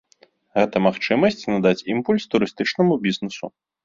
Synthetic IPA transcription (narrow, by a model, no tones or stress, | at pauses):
ɣɛt̪ɐmaxt͡ʂɨmɐsʲt͡sʲnɐd̪at͡sʲimpulʲst̪uɾɨst̪ɨt͡ʂnɐmubʲiznɨsṵ